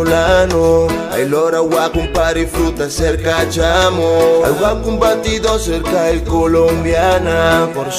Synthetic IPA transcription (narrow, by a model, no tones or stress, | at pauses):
lanoa̰jlɔɾawakũmpaɾɪfɾut̪asɛɾkat͡ʃamoa̰wakũmbat̪id̪oseɾkaikolõmbjanafoɾ